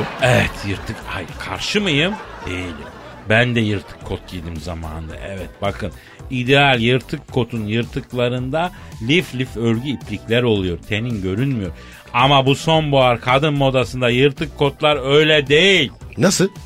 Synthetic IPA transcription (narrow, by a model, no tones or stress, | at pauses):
ɛvɛt̪ʰjɯɾt̪ʰɯka̰jkʰaɾʃɯmɯjɯmd̪̥ejilʲḭm | bænd̪ɛjɯɾt̪ʰɯ̥kʰːot̪̚ɟid̪imzama̰ːnd̪a̰ʔɛvɛt̪̚bakʰɯn | id̪ealʲjɯɾt̪ʰɯkʰːo̞t̪ʰunjɯɾt̪ʰɯklˠaɾɯnd̪a | lʲiflʲiføɾɟyipʰlʲiclʲæɾo̞lˠujo̞ɾt̪ʰe̞ninɟø̞ɾynmyjo̞ɾ | amabuso̞nbuaɾkʰad̪ɯnmo̞d̪asɯnd̪ajɯɾt̪ʰɯkʰːo̞t̪lˠaɾø̞jlʲɛd̪ejilʲnasɯ